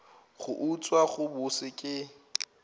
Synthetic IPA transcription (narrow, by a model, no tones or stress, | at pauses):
χʊ̰ʔut͡sʼwaɣʊbʊsɪkʼɪ